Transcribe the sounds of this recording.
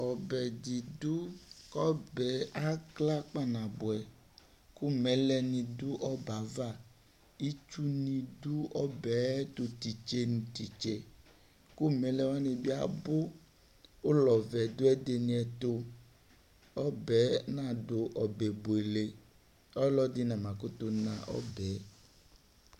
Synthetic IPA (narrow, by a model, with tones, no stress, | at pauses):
ɔ˨bɛ˨d̪i˨du˦kɔ˦bɛ˨a˦kla˦k͡pa˦nã˨bo˨ɛ˨ | ku˦mẽ˨˦lɛ˦nĩ˨du˦ʔɔ˦ba˨va˦˨ | i˦t͡ʃu˦nĩ˨du˦ɔ˦bɛ˨˦t̪o˨t̪i˨t͡ʃe˦nũ˨t̪i˨t͡ʃe˨ | ku˦mɛ̃˨˦lɛ˦wa˦ne˨bi˦a̰˨bo˦ | o˦lɔ˨vɛ˨d̪o˦ɛ˦d̪e˨nĩ˨ɛ˨t̪o˦ | ɔ˦bɛ˨˦nã˦do˨ʔɔ˨be˨bo˨e˨le˨ | ɔ˦lɔ˦d̪i˦nã˨mã˨ko˦t̪o˦nã˨ʔɔ̰˦bɛ˨˦